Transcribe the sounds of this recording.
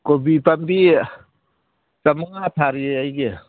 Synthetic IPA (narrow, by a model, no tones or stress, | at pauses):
kobipambi | t͡ʃamaŋatʰaɾieajɡe